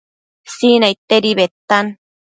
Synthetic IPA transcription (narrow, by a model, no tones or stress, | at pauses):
sinait̪ːeɾiβet̪ːan